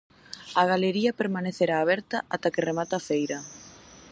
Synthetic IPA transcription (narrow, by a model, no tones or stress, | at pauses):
ɐɣ̞aleɾiɐpeɾmaneθeɾaːβ̞ɛɾt̪ɐʔat̪akeremat̪afejɾɐ